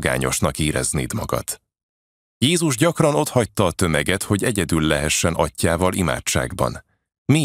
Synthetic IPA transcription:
ɡa̰ːɲo̞ʃnɒkiːɾɛ̰zniːd̪mɒɡɒ̰t̪ | jeːzuʒɟɒkrɒno̞t̪hɒct̪ːɒːt̪ø̞mɛɡɛt̪ho̞ɟɛɟɛd̪ylːɛɦɛʃːɛnɒcːaːvɒlima̰ːt͡ʃːa̰ːɡbɒ̰n | mi

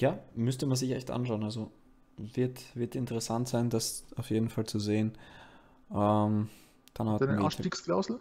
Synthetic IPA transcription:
jaːmʏstəmanzɪçʔɛ̰çtʔa̰nʃaʊənalzo | vɪɐtv̥ɪɐtɪntəʁəsantz̥aɪndasaʊfjeːdn̩falt͡suzeːən | ʔɛm | d̥anhatn̩atiːksklaʊzl̩

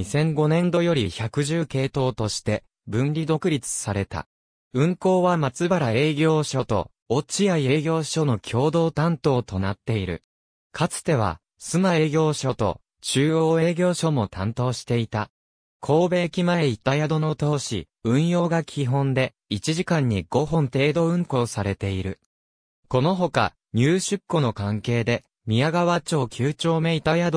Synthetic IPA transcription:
isẽ̞ŋɡo̞nẽ̞nd̪o̞jo̞ɾʲiçakɯ̟ʑɨːke̞ːt̪o̞ːt̪o̞ɕi̥t̪e̞ | bɯ̟̃nɾʲid̪o̞kɯ̟ɾʲit͡sɨ̥saɾe̞t̪a̰ | ɯ̟̃ŋko̞ːβamat͡sɨbaɾae̞ːɡʲo̞ːɕo̞t̪o̞̰ | ot͡ɕiaie̞ːɡʲo̞ːɕo̞no̞kʲʰo̞ːd̪o̞ːt̪ãnt̪o̞ːt̪o̞nat̪ːe̞iɾɯ̟̰ | kʰat͡sɨ̥t̪e̞β̞a̰ | sɨmaeːɡʲo̞ːɕo̞t̪o̞̰ | t͡ɕɨːoːe̞ːɡʲo̞ːɕo̞mo̞t̪ãnt̪o̞ːɕi̥t̪e̞it̪a | kʰo̞ːbe̞ːkʲimae̞it̪ajad̪o̞no̞t̪o̞ːɕḭ | ɯ̟̃ɰ̃jo̞ːɡakʲʰiɦõ̞nd̪e̞ | it͡ɕiʑikãɲ̟ːiɡ̥o̞ɦõ̞nt̪e̞ːd̪o̞ɯ̟̃ŋko̞ːsaɾe̞t̪e̞iɾɯ̟̰ | ko̞noɦo̞ka̰ | ɲ̟ɨːɕɨkːo̞no̞kãŋke̞ːd̪e̞ | mʲiaɡaβat͡ɕo̞ːkʲʰɨːt͡ɕo̞ːme̞it̪ajad̪o

